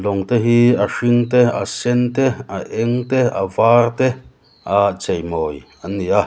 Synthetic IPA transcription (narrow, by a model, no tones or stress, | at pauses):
loŋt̪eɦiaʂiŋt̪ea̰sent̪eaʔeŋt̪ea̰vaːɾt̪e | at͡ʃejmoj | ania